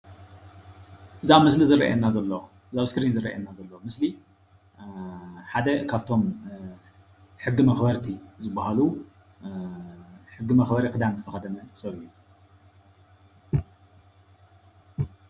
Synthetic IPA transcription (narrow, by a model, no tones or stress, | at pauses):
ʔɨzamɨslizɨrɐ̰ʔḛnːazɐlːɐ | ɨzaβskɾinzɨrɐ̰ʔɐ̰nːazɐlːɐmɨsli | ħad̪ɐkʰaβt̪ʰo̞m | ħɨɡːimɐxbɐɾt̪ʰizɨbːahalu | ħɨɡːɨmɐxbɐɾikɨd̪anzɨt̪ʰɐxɐd̪ɐnɐsɐɾu